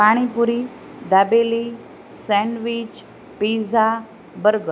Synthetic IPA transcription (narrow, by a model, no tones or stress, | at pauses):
paɽ̃ipuɾi | d̪abeli | sɛ̃ɳɖʋit͡ʃ | piza | bəɾɡə